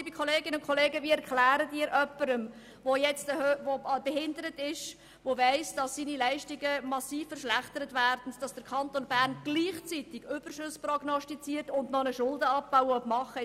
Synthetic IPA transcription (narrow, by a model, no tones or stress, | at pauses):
ibikʰχoleːɡɪnəʊnkʰoleːɡəviːɛɾklæːɾətiːɾʔœpːəɾəm | vojɛt͡stəhøʋobɛhɪndəɾətɪʃ | ʋovæɪsd̥ɑsːiːnilɛɪʃtɪɡəmɑsiːfːəɾʃlæχtəɾətvæːɾd̥ən̩d̥ɑsd̥əkʰɑntonbæːɾnɡ̥liːχt͡sitɪɡ̥ʏb̥ərʃɵsprɔɡnɔstit͡siːəɾtʊndnɔnəʃʊldəɑp̚baʊəɔpmɑχə